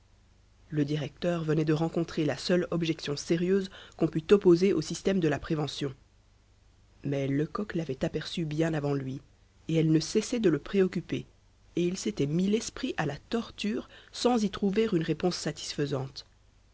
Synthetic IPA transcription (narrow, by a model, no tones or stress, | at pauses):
ləd̪iʁɛk̚t̪œʁvənɛd̪əʁɑ̃kɔ̃t̪χelasœlɔbʒɛksjɔ̃seʁjøzkɔ̃pyt̪ɔpozeʔosist̪ɛmd̪əlapχevɑ̃sjɔ̃ | mɛləkɔklavɛt̪apɛʁsybjɛ̃navɑ̃lɥi | eɛlnəsɛsɛd̪ələpχeɔkʲype | eilset̪ɛmilɛspχiʔalat̪ɔʁt̪yːʁsɑ̃zit̪χuveʁynʁepɔ̃sːat̪i̥sfəzɑ̃t̪